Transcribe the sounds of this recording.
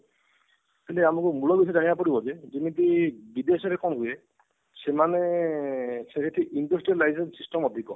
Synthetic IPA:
kileamukumulɔbisʰɔd͡ʒanibapɔɽibɔd͡ʒed͡ʒimit̪ibid̪esɔɾekɔnɦuje | semane | sekʰetʰiʔindɔsʈɾiɔlajsensisʈɔmɔd̪ʱikɔ

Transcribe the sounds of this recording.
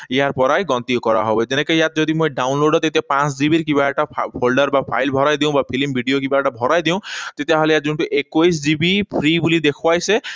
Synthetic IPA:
jaɾpɔɾajɡɔnt̪iɔkɔɾa̰ɦɔbed͡ʒenekejat̪̚d͡ʒɔd̪imojɖawnloɖɔt̪et̪iapãsd͡ʒibiɾkibaʈapʰolɖɔɾbapʰa̰jlbʱɔɾajd̪ĩw̃bapʰilimbʱiɖijokibaʈabʱɔɾajd̪iw̃t̪et̪iaɦɔlejat̪̚d͡ʒunʈuʔekojs̬d͡ʒibipʰɾibulid̪ekʰuajse

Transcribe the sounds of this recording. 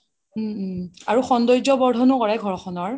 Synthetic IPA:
m̩aɹuxɔndɔjzɔbɔɹdʱɔnukɔɹajɡʱɔɹɔxɔnɔɹ

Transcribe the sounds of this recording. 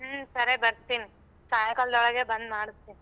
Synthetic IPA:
sɐɾebɐɾt̪iːni | saːjɐkɐld̪ɔɭɐɡebɐnd̪maːɽust̪ːiːni

